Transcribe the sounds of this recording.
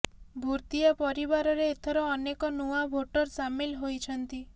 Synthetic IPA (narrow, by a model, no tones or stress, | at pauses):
bʱuɾt̪iapɔɾibaɾɔɾeːt̪ʰɔɾɔːnekɔnuabʱoʈɔɾsamilɦojt͡ʃʰɔnt̪i